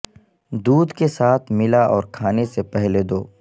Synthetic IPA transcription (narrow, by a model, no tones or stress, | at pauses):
d̪uːd̪kesaːt̪ʰmɪlaʔɔːɾkʰaːnesepɛɦled̪oː